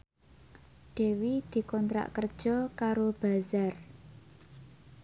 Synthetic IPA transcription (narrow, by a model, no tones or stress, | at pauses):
ɖ̥e̤wid̪̥i̤kɔnt̪ɾa̰ʔkərd̥ʒ̥ɔ̤kaɾob̥a̤zar